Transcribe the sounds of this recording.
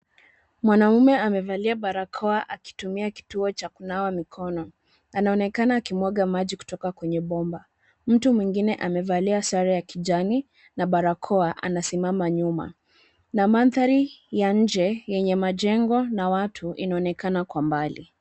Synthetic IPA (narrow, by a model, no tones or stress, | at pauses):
mwanaumɛamɛvaliaɓaɾakʰɔaʔaki̥tumiaki̥tuɔt͡ʃakunawamikʰɔnɔ | anaɔnɛkanaːkimwɔɠamaʄiku̥tɔkakwɛɲɛɓɔmba | m̩tumwiŋɡinɛʔamɛvaliasaɾajakiʄani | naɓaɾakʰɔaʔa̰nasimamaɲuma̰ | namanθaɾijaɲ̩d͡ʒɛjɛɲɛmaʄɛŋɡɔnawatʰuḭnaɔnɛkanakwambalḭ